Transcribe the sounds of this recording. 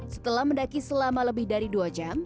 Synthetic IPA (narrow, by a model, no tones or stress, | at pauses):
sə̥t̪əlahməndakisəlamaləbɪhdaɾiduad͡ʒam